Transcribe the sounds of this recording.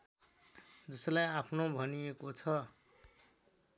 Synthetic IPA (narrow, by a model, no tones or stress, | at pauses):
d͡zʌslajapʰnobʱʌnijekot͡sʰʌ